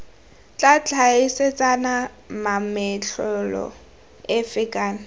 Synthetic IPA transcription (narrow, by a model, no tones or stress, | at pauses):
t͡ɬʼat͡ɬʰʼaɪset͡sʼana | mamɪt͡ɬʰʊlɔ̰ | ɪfɪkʼaːna